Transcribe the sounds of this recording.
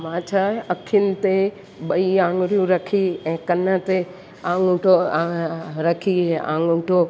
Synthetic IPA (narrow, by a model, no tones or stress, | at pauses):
ʋãːt͡ɕʰaɐkʰənɪ̆t̪e | ɓɐiãːŋɡɾijũɾɐkʰiɛ̃ːkɐnət̪e | ãːŋʈo | ɾɐkʰiɛ̃ã̰ːŋɡʊʈo